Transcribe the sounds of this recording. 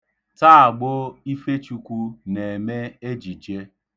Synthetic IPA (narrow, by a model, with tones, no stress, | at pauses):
ta˦a˨ɡ͡bo˦i˦fe˦t͡ʃu˦kʷu˦ne˨me˦e˦d͡ʒi˨d͡ʒe˦